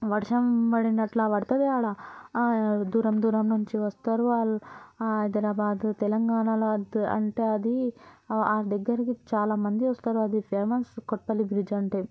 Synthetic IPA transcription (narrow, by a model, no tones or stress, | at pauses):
ʋɐɾʂɐmpɐɽinɐʈlaʋɐɾt̪ɐʋ̪iaːɭɐ | d̪uːɾɐmd̪uːɾɐmnuɲt͡ʃiʋɐst̪aːɾuaːlɦɐjd̪ɐɾaːbaːd̪t̪ɛlɐŋɡaːɳaloɐd̪ɐ̰ɳʈeːɐd̪i | aːd̪ɐɡːɐɾɐkit͡ʃaːlaːmɐnd̪iʋɐst̪aːɾuɐd̪ipʰeːɾmɐskoʈ̚pɐlibɾid͡ʒɐɳʈeː